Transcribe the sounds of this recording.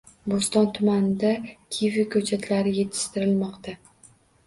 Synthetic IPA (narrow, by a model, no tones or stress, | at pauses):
bost̪ɒnt̪ʰʊmanɪd̪akʲʰivɪkʰɵt͡ʃʰat̪ʰlaɾɪje̞t̪ʰːɪ̥ʃt̪ɪɾɪlmɒqt̪a